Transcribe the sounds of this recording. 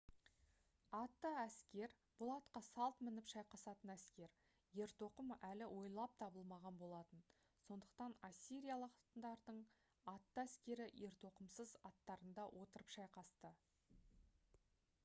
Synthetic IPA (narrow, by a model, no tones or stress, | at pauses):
ɑt̪ːəæskʲe̞ɾ | b̥ʊlˠɑt̪qɑsɑlˠt̪mɪnɪpʃɑjqɑsɑt̪ənæskʲe̞ɾ | je̞ɾt̪o̞qəmælɪwʔo̞jlˠɑp̚t̪ʰɑbəlˠmɑʁɑnbo̞lˠɑt̪ən | so̞nd̪əq̚t̪ɑnasʲːiɾijalˠɑqnd̪ɑɾd̪əɴ | ɑt̪ːəæskʲe̞ɾɪje̞ɾt̪o̞qəmsəzɑt̪ːɑɾənd̪ɑwʔo̞t̪əɾəpʃɑjqɑst̪ə